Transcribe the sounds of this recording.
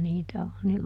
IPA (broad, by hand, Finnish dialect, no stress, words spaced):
niːtæ on ni